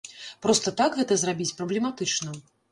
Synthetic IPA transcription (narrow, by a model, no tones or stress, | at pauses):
pɾɔst̪ɐt̪akɣɛt̪ɐzrabʲit͡sʲpɾɐblʲɛmat̪ɨt͡ʂnɐ